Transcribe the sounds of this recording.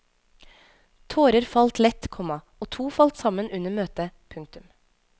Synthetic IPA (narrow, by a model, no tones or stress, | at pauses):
t̪ʰoːɾəɾfɑlt̪lɛt̪kʰɔmɑ | oːt̪ʰuːfɑlt̪sɑmənʉnəɾmøːt̪əpʰʉŋk̚t̪ʉm